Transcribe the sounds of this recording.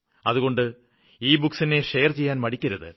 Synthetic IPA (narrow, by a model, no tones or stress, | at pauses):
ɐðuɣo̞ɳɖɨ | iːbuksineʂejɐrt͡ɕe̞jːaːnmɐɽikʲːɐɾɐðɨ̰